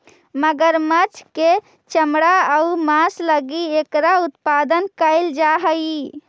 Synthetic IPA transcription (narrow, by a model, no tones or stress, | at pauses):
məɡəɾmət͡ʃʰke | t͡ʃəmɽaəumãsləɡiekɾaut̪pad̪ənkəɪld͡ʒaɦə